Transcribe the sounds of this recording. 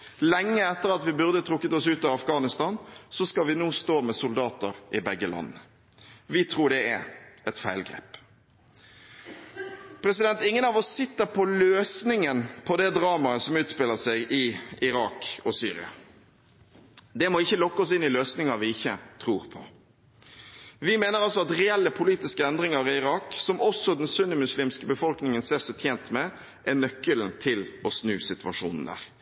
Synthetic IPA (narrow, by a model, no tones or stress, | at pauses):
lɛŋːəɛt̪ːəɾɑt̪ʋɪbʉʁd̪ət̪ʰɾʊkːət̪ɔsʉːt̪ɑʋɑfɡɑːnɪst̪ɑːnsɔskɑʋɪnuːst̪oːmɛsʊld̪ɑːt̪əɾʔɪbɛɡːəlʔɑ̰nːə | ʋɪt̪ʰɾuːɖɛæ̰ɾɛt̪fæɪlɡɾḛːp | pʰɾɛsɪd̪ɛnt̪ɪŋːənɑʋɔsːɪt̪ːəɾpʰɔløːsnɪŋənpʰɔd̪ɛd̪ɾɑːmɑəsɔmʉːt̪spɪlːəsɛɡɪɪɾɑːkɔsyːɾɪ̰ɑ̰ | d̪ɛmɔɪçːəlɔkːəɔsɪnːɪløːsnɪŋɑʋɪɪçːət̪ʰɾuːɾpʰɔ | ʋɪmeːnəɾʁɑls̬ɔɑt̪ʁɛɛlːəpʰʊliːt̪ɪskəɛnd̪ɾɪŋɑɾɪɪɾɑːksɔmɔsɔd̪ɛnsʉnːəmʉsliːmskəbəfɔlknɪŋənseːsɛt̪ʰjeːnt̪mɛ | ʔænœkːəlnt̪ʰɪlɔsnʉːsɪt̪ʉʋɑʂṵːnn̩d̪æ̰ːɾ